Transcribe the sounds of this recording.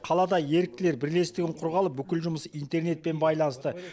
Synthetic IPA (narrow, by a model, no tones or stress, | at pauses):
qʰɑlˠɑd̪ɑje̞ɾɪk̚t̪ɪleɾbɪɾle̞st̪ɪɡʲɪɴqʰʊɾʁɑlˠəp̚bʏkʲɪlʒʊməsijnt̪e̞rne̞t̪̚pe̞nbɑjlˠɑnəst̪ə